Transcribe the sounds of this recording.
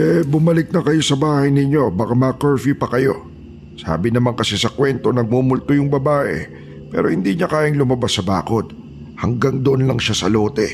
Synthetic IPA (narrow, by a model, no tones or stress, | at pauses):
ʔɛbʊmɐlɪk̚nɐkɐjo̞sɐbaːhɐjnɪɲːo̞bɐkamɐkɛɹfipɐkɐjo̞̰ | sa̰ːbɪnɐmaŋkɐsɛsɐkwɛnt̪o̞nɐɡ̚mumʊlt̪ojʊŋbɐbaːʔɛ̰ | pɛ̰ːɾʔo̞hɪnd̪iːɲɐkaːjɐŋlʊmɐbasɐba̰ːko̞d̪̚ | hɐŋɡaŋd̪oʔonlɐŋʃasɐlo̞ːt̪ɛ̰